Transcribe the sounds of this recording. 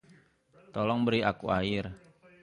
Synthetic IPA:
t̪ɔlɔŋbəɾiakuaɪr

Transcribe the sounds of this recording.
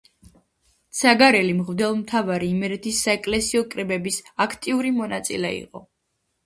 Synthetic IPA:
t̪sʰaɡaɾɛlimʁvd̪ɛlˠmt̪ʰavaɾiːmɛɾɛt̪ʰisːaɛkʼlɛsiɔkʼɾɛbɛbisakʰt̪ʼiuɾimɔnat̪sʼḭlɛḭqʼɔ

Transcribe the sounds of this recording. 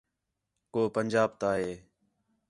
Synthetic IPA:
koːpənd͡ʒaːb̚t̪aːɦeː

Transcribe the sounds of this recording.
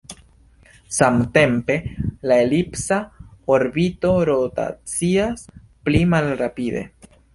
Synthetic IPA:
samte̞mpe̞laelipsaoɾbito̞ɾota̰t͡sias | plimalɾapid̪e̞̰

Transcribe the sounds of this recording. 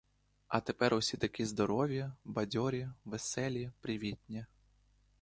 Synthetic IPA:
ɐt̪epɛɾʊsʲit̪ɐkʲizd̪ɔɾɔʋʲjɐbɐdʲɔɾʲiʋesɛlʲipɾɪʋʲitʲnʲi

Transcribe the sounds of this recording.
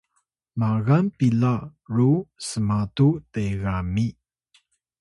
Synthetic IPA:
maɣanpilarusəmatuteɣami

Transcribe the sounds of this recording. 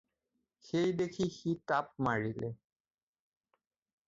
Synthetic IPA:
xejdekʰixitap̚maɹilɛ̰

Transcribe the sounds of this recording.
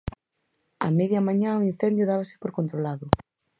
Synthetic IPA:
a̰meðjɐmãɲãoin̟θɛnd̪jʊðaβasɪ̥poɾkont̪ɾolaðʊ

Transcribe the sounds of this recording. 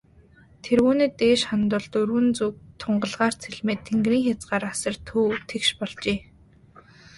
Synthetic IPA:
t̪ʰeɾuːnĕːt̪eːʃχant̪ʊ̆ɮt̪ɵrɣɘ̆nt͡suk̚t̪ʰʊɴɢə̆ɮʁaːr̥t͡sʰeɮmeːt̪ʰːeŋɡriːŋxʲat͡sɢaːɾasə̆rt̪ʰːuːt̪ʰekʃpɔɮt͡ɕeː

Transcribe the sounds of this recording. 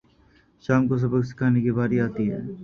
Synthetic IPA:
ʃaːmkos̬ɐbəksɪ̥kʰaːnekibaːɾiaːt̪iɦɛ̰ː

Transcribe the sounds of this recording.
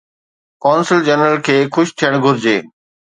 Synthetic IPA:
kɔːnsɪld͡ʑənɾəlkʰeːxʊʃt̪ʰijəɽ̃ɡʱʊɾɪd͡ʑeː

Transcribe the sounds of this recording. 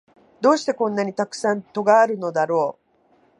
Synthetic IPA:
d̪o̞ːɕi̥t̪e̞kõ̞nːaɲ̟it̪akɯ̟̥sãnt̪o̞ɡaːɾɯ̟no̞d̪aɾo̞ː

